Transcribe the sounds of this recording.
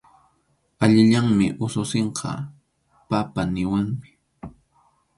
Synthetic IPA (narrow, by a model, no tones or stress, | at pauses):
aʎɪʎaŋmɪʔʊsʊseɴqʰɑ̰ | papanɪwaŋmɪ̥